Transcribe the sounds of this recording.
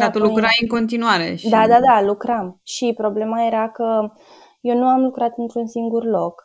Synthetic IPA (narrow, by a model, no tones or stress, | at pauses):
t̪at̪ulːukɾaɨŋko̞nt̪inuaɾḛʃd̪ad̪ad̪alukɾamʃipɾo̞ble̞maje̞ɾakə | je̞wnuamlukɾat̪ɨnt̪ɾunsiŋɡurlo̞k